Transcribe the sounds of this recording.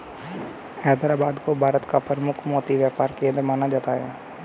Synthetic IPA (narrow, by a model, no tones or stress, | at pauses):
ɛːd̪ɾaːbaːd̪kobʱaːɾət̪kapəɾəmʊkʰmɔːt̪iʋjaːpaːɾkẽːnd̪ɾmaːnad͡ʒaːt̪aːɦɛː